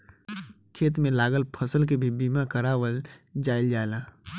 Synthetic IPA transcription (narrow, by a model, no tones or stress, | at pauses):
kʰeːt̪mẽlaːɡəlpʰəsəlk̬ebʱibiːmakəɾaːwəld͡ʒaːɪld͡ʒaːlaː